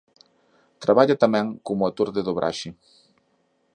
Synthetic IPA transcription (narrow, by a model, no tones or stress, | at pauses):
t̪ɾaβaʎat̪amɛ̃ŋkomʊat̪uɾðɪðʊβɾʔa̰ʃɪ